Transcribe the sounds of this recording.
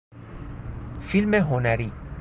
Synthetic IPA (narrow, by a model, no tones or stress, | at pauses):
filmeɦonæɾi